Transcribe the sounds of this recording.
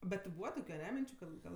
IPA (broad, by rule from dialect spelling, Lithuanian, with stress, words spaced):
bʲɛt tʲɪ ˈbuːʋɐ ˈtoːkʲʊ ɐˈnʲɛ ˈmʲɪnʲt͡ʃʲʊ ˈkɐt ˈɡɐlˠ